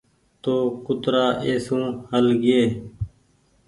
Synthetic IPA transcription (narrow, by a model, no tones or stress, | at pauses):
t̪oːkʊt̪ɾaːʔeːsũːhəlɡɪeː